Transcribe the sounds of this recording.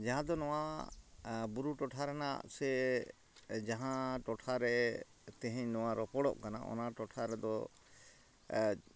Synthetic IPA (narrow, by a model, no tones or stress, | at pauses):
d͡ʒaɦãd̪ɔnɔwa | buɾuʈɔʈʰaɾɛna̰ʔsɛ | d͡ʒaɦãʈɔʈʰaɾɛ | t̪ɛ̃ɦɛɲnɔwaɾɔpɔɽɔ̰ʔkana̰ʔɔ̰naʈɔʈʰaɾɛd̪ɔ